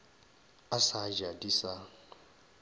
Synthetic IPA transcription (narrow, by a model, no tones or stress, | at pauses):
asad͡ʒadisa